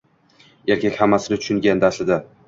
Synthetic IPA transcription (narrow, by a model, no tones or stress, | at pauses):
e̞ɾkʲakʲhamːasɪnɪt̪ʰʊ̥ʃʊŋɡʲand̪aslɪd̪a